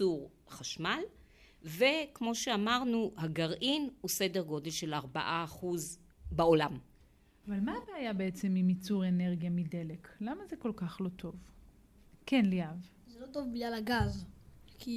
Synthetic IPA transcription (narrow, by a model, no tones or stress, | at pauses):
uʁ | χaʃmal | vekmo̞ʃeamaʁnuhaɡaʁʔinhusedeʁɡo̞delʃelaʁba̰ʔaːχuz | baolam | avalmaːbeajabe̞et͡semimit͡suʁe̞ne̞ʁɡjamidele̞klamazeko̞lkaχlo̞t̪ʰo̞v | kenliav | zelot̪ovbiɡlalaɡazki